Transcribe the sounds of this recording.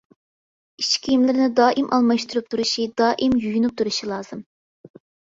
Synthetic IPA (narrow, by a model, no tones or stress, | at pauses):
iʃkʲʰijimlɪɾnɪd̪ɑːʔimʔɑlˠmɑʃt̪uɾup̚t̪ʰuɾuʃid̪ɑːʔimjyjynup̚t̪ʰuɾuʃilˠɑːz̥ɨm